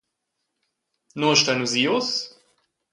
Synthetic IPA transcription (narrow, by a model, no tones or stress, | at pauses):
nɔɐʃtaɪnuziːʊs